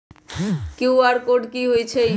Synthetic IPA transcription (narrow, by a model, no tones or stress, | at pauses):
kewaɾkoɖkiɦojt͡ɕʰe